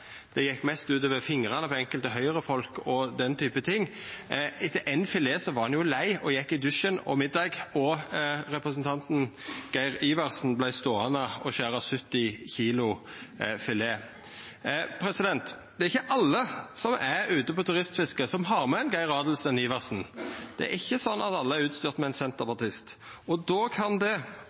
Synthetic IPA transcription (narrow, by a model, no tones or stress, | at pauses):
d̪̥ɛjɛkːmɛst̪ʉːt̪oːʋəɾfɪŋɾɑnəpʰɔɛŋkəlt̪əɦœʏɾəfɔlkɔd̪ɛnt̪ʰyːpət̪ʰɪŋː | ɪt̪əʔɛɪnfɪleːsɔʋɑʁhɑnjʊlæɪɔjɛkːɪd̪ʉʃənɔ̰mɪd̪ːɑɡɔɾɛpɾəsnt̪ʰɑnt̪n̩ɡ̥æɪɾiːʋɑʁsn̩blæɪst̪oːɑnəɔʃæːɾɑsʉt̪ːɪçiːlʊ | fɪleː | pʰɾɛsɪd̪ɛnt̪d̪̥ɛɾɪçːəʔɑlːəsɔmʔæɾʉːt̪əpɔt̪ʰʉʁɪst̪fɪskəsɔmɦɑʁmɛnɡæɪɾɑːd̪l̩sɛniːʋɑʁsn̩d̪̥ɛ̰æ̰ɾɪçːəsɔnːʔɑt̪ɑlːəæɾʉːt̪st̪yːʁt̪mɛɛɪnsɛnt̪əpɑʁt̪ɪst̪ɔd̪oːkʰɑnd̪ɛ